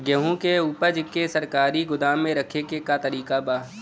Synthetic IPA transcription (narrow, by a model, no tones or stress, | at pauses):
ɡəɦũkeuːpəɾd͡ʒkesɐɾkaːɾiɡʊd̪aːmːẽɾɐkʰekekat̪ɐɾiːkabaː